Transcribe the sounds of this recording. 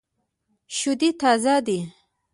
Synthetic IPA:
ʃʊd̪it̪ɑzad̪i

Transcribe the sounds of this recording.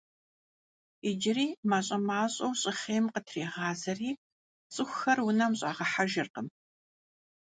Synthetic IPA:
id͡ʒɪriːmaːɕʼɐmaːɕʼɐwɕʼɪχeːjmqətʰreːʁɑːzɐriː | t͡sʼɨxʷxɐrwʊnɐmɕʼa̰ːʁɐħaʒɪrqəm

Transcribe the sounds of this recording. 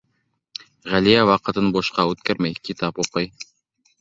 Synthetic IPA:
ʁælijæwɑqɤ̆t̪ɤnboʃqɑʉt̪kæɾmæjkit̪ɑpuqɤj

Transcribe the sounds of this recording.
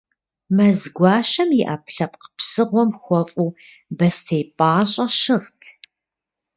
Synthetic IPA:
mɐzɡʷɑːʃɐmjɪʔɐpɬɐp̚qə̥psɨʁʷɔmxʷɔfʼuː | bɐstʰejpʼaːɕʼɐʃɨʁtʰ

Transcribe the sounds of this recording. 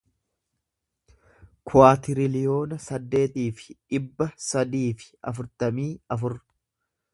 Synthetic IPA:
kʰʊaːt̪ɪɾɪlɪjo̞ːnɐsɐd̪ːe̞ːt̪iːfɪ̥ᶑɪbːɐsɐd̪iːfɪ̥ɐfʊɾt̪ɐmiːɐfʊɾ

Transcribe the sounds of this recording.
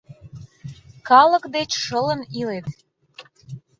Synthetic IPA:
kɑləkd̪et͡ɕʃələnilet̪

